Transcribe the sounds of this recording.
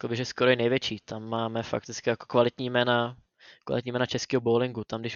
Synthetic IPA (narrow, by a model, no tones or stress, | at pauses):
klbɪʒɛskoɾojɛnɛjvjɛt͡ʃiːt̪amːaːmɛfa̰k̚t̪ɪt͡skɪjakokvalɪt̪ɲiːmɛːna | kva̰lɪt̪ɲiːmɛːnat͡ʃɛskiːɦoboːlɪŋɡut̪amdɪʃ